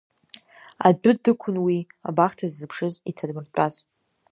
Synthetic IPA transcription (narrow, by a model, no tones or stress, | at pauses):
a̰dʊdɨkʷʰʊnwi | a̰baχtʰazːɨpʰʂɨzitʰadmɨrtʷʼaz̥